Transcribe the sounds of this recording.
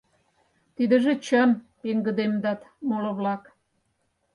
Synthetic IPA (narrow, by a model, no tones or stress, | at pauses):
t̪id̪ə̆ʒĕt͡ɕənpeŋɡə̆d̪emd̪ɑt̪molə̆βlɑk